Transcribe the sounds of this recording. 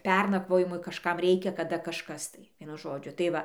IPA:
ˈpʲɛrnɐkʋoːjɪmʊɪ kɐʃˈkɐm ˈrʲɛɪkʲɛ kɐˈdɐ kɐʃˈkɐs tɐɪ ˈʋʲiɛnʊ ˈʒoːd͡ʒʲʊ tɐɪ ˈʋɐ

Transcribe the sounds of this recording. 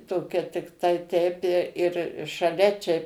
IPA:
ˈtoːkʲɛ tʲɪkˈtɐɪ tʲɛɪp ɪ ɪr ʃɐˈlʲɛ ˈt͡ʃʲɛ

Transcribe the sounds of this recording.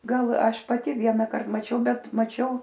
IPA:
ˈɡɐlˠ ˈɐʃ pɐˈtʲɪ ˈʋʲiɛnɐkɐrt mɐˈt͡ʃʲɛʊ ˈbʲɛt mɐˈt͡ʃʲɛʊ

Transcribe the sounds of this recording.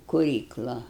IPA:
kʊˈrʲiːklˠɐ

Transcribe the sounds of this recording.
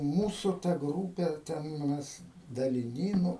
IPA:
ˈmuːsʊ tɐ ˈɡruːpʲɛ ˈtʲɛn ˈmʲɛs dɐlʲɪˈnʲiː ˈnʊ

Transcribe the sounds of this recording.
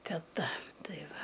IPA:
tʲɛˈtɐ ˈtɐɪ ˈʋɐ

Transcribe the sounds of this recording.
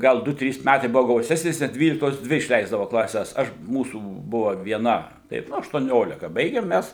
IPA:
ˈɡɐlˠ ˈdʊ ˈtʲrʲiːs ˈmʲætɐɪ ˈbʊʋoː ɡɐʊˈsʲæːsʲnʲeːs nʲɛt ˈdʲʋʲiːlʲɪktoːs ˈdʲʋʲɪ ɪʃʲˈlʲɛɪzdɐʋoː klˠɐˈsʲɛs ˈɐʃ ˈmuːsuː ˈbʊʋɐ ʋʲiɛˈnɐ ˈtɐɪp ˈnʊ ɐʃtuɔˈnʲoːlʲɪkɐ ˈbɐɪɡʲɛm ˈmʲæs

